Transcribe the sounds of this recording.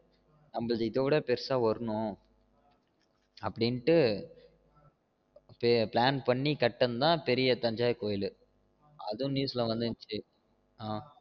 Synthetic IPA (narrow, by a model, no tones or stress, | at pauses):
nɐmbɐɭðɐɪðoʋɪɽɐpɛɾsaːʋɐɾɯnʊ̃ | ɐpːɐɽɪnʈːɯ | pɛplaːnpɐɳːikɐʈːɐnd̪ãːpɛɾɪjɐt̪ɐɲd͡ʒaːjkoːjɪlɯ | ɐ̰ðʊ̃nuːslɐʋɐnd̪ɯnt͡ʃːi | aː